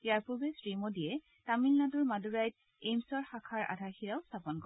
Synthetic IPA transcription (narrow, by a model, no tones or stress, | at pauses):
jaɹpɔbesɹimodiɛ | tamilnadʊɹmaduɹajt̚ | ejmsɔɹxakʰaɹa̰dʱaxiɹaʊstʰapɔnkɔ